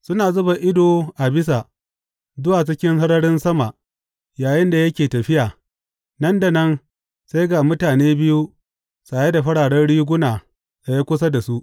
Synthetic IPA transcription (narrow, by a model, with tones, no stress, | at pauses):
sʊ˦naː˨zʊ˦ba˨ʔɪ˦doː˨ʔa˨bɪ˦s̬a˨ | zʊ˦waː˨t͡ʃɪ˦kʲɪ˦ŋhɐ˦ɾɐ˦ɽɪ˦nsɐ˦ma˨ʔ | jaː˨jɪ˦nda˨jɐ˦kʲeː˨tɐ˨ɸɪ˦jaː˨ | nɐ˦nda˨nɐ˦n | sa˦jɡa˨mʊ˦taː˨neː˦bɪ˦ju˦ | saː˨je˦da˨ɸɐ˦ɽaː˨ɽɐ˦nɽiː˦ɡʷʊ˦naː˨ | a˨ja˦kʷʊ˦s̬a˦da˨su˦ʔ